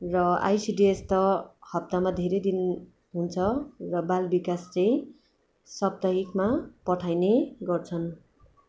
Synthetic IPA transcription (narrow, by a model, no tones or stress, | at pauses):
rʌa̰jsiɖiest̪ʌhʌp̚t̪amad̪ʱeɾʌjd̪in | ɦunt͡sʰʌrʌbalbikast͡sʌj̃ | sʌb̚t̪ʌɦikmapʌʈʰajneɡʌrt͡sʰʌn